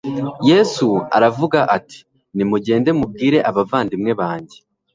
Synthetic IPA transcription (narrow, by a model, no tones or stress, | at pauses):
je̞ːsua̰ɾavuɡaʔati̥ | nimuɟe̞ːnde̞mub̚ɡiːɾe̞ʔaβavaːndimŋe̞βaːɲɟe̞